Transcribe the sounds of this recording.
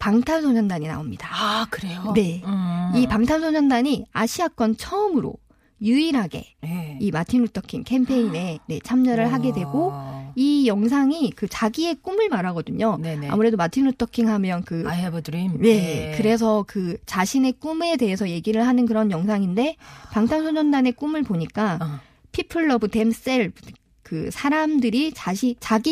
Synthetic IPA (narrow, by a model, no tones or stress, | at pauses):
paŋtʰamsʰoɲʌndaɲina̰omɲid̥akɯɾeone̞ipaŋtʰamsʰoɲʌndaɲia̰ɕʰiak͈wʌnt͡ɕʰʌɯmɯɾo̰ | juiɾɦaɡe̞̰imatʰinɾutʰʌkʰiŋkʰempʰe̞ine̞ne̞t͡ɕʰamɲʌɾɯɭɦaɡe̞dwe̞ɡoijʌŋs̬ʰaŋikɯt͡ɕaɡie̞k͈umɯɭmaɾɦaɡʌdɯɲonea̰muɾe̞domatʰinɾutʰʌkʰiŋɦamjʌnkɯebdɾije̞kɯɾe̞s̬ʰʌkɯt͡ɕaɕʰine̞k͈ume̞de̞ɦesʰʌje̞ɡiɾɯɭɦanɯnkɯɾʌnjʌŋsʰaŋinde̞paŋtʰansʰoɲʌndane̞k͈umɯɭpoɲik͈a | pʰipʰɯɭːʌbɯte̞ms͈eɭ | kɯsʰaɾamdɯɾit͡ɕaɕʰit͡ɕaɡi